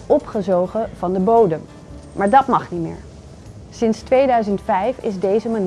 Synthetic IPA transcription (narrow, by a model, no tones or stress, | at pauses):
ɔpχəzowχəv̥ɑndəbowdəm | maːɹdɑtmɑχnimɪ̰ːɹ | sɪnstʋejdœɥzəntfɛjfɪ̰zdejzəman